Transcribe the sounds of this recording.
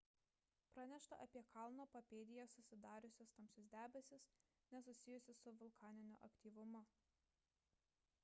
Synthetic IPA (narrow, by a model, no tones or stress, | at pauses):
pɾɑnʲɛʃt̪ɐ̰ʔɐpʲiɛkʰɑˑlˠnoːpɐpʲeːd̪ʲɪjɛsʊsʲɪd̪ɑːɾʲʊsʲost̪ɐmʲsʲʊsʲd̪ʲæːbʲɛsʲɪs | nʲɛsʊsʲɪjʊsʲɪsʊʋʊlˠkʰɑːnʲɪnʲʊ̰ʔɐkʲt̪ʲiːʋʊmʊ